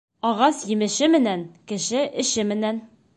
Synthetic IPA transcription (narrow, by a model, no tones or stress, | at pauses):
ɒʁɑsjɘ̆mɘ̆ʃɘmɘ̆nænkɘ̆ʃɘʔɘ̆ɕɘmɘ̆næn